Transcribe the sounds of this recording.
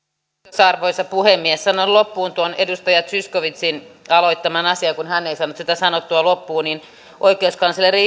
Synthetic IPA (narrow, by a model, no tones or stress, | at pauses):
sɑrʋoisɑpuhemːiessɑnollopːuːnt̪uonedust̪ɑjɑt̪syskoʋit̪sinɑloit̪ːɑmɑnɑsiɑkunhænːeisɑnːut̪sit̪æsɑnot̪ːuɑlopːuːnin | ʔoikˑeuskɑnsɑleri